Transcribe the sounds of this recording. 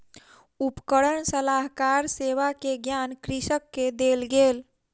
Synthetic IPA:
upkəɽəɳsəlaɦkaɾseʋakeɡjankɾisəkːed̪elɡeːl

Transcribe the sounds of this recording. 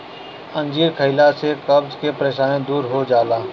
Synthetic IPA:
ə̃nd͡ʒiːɾkʰəɪlasekɐbzkepɾeːʃaːnẽd̪uːɾɦod͡ʒaːlaː

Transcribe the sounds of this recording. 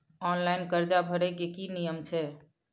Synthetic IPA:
ɔnlainkəɾd͡ʒabʱəɾɛkekinijəmt͡ʃʰɛ

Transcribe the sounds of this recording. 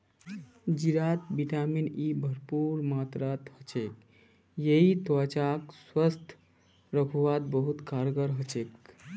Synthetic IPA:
d͡ʒiɾat̪bit̪aminibʱəɾpuɾmat̪ɾat̪hət͡ʃek | jeit̪at͡ʃakswəst̪ʰ | ɾəkʰuʋad̪̚bəɦut̪kaɾɡəɾɦət͡ʃek

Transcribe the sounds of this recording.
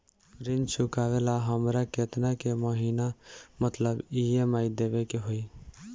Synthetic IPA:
ɾɪnt͡ʃʰʊkaʋelaɦəmɾaket̪nakeməɦiːnamət̪ləbiemaid̪ebekeɦoi

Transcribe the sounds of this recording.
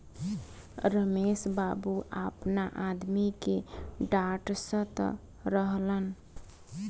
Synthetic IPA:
ɾəmesbabuʔapnaʔad̪mikeɖaʈsə̃t̪ə̰ | ɾəɦlən

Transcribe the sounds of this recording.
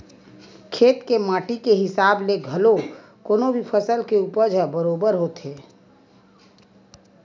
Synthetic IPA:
kʰeːt̪kemaːʈikeɦɪsaːbleɡʱəlo | koːnobʱipʰəsəlkeupəd͡ʒʱəbəɾoːbəɾɦot̪ɦeː

